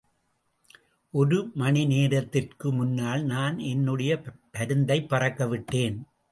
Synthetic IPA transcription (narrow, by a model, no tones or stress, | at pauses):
ʔɔɾɯmɐɳɪneːɾɐt̪ːɪrkɯmʊnːaːlnaːnɛnːɯɽɐjɐpɐɾɯnd̪ɐɪpːɐrɐkːɐʋɪʈːeːn